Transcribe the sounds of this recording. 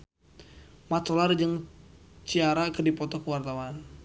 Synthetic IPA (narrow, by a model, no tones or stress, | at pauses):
mat̪olard͡ʒəŋt͡ʃiaɾakədipɔt̪ɔkəwart̪awan